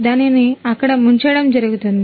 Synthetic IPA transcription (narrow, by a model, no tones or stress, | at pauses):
d̪aːniniɐkːɐɽɐmuɲt͡ʃɐːɽɐmd͡ʒɐɾuɡut̪und̪i